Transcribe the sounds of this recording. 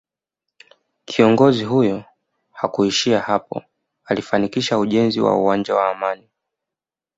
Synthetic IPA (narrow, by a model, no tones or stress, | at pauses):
kʰiɔŋɡɔziɦujɔ | hakuiʃiahapɔ̰ | alifanikiʃauʄɛnziwa̰uwand͡ʒawaːmani